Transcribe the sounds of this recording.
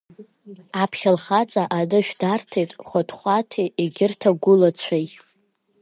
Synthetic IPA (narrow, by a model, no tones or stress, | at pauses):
apʰχʲalχat͡sʼaʔadɨʃᶣdartʰejtʼχʷatʰʼχʷatʰieɡʲɪrtʰaɡʷʊlat͡ɕʷʰaj